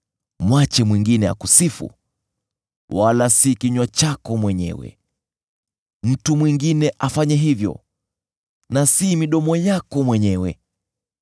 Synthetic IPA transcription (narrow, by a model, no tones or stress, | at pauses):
mwat͡ʃɛmwiŋɡinɛa̰kusifṵ | walasikiɲwat͡ʃakɔmwɛɲɛ̰wɛ̰ | m̩tumwiŋɡinɛʔafaɲɛɦivjɔ̰ | nasimiɗɔmɔjakɔmwɛɲɛwɛ̰